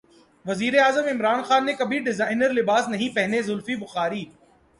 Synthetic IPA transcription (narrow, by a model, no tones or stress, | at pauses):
ʋɐziːɾeaːzəmɪmɾaːnxaːnːekɐbʱiɖɪzaːɪnəɾlɪbaːsnɐɦĩpɛɦnezʊlfibʊxaːɾiː